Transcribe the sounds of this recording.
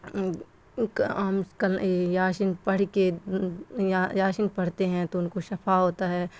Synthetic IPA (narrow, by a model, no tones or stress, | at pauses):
kamkɐljaːʃɪnpɐɽ̤ke | jaːʃɪnpɐɽ̤t̪eɦɛ̃t̪oʊnkoʃɐpʰaɦoːt̪aɦɛː